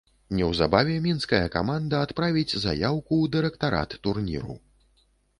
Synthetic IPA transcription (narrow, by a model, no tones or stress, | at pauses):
nʲɛwza̰bavʲɛmʲinskɐjɐka̰mand̪ɐːt̪pɾavʲid͡zʲza̰jawkud̪ɨɾɛkt̪aɾa̰t̪ːurnʲḭɾṵ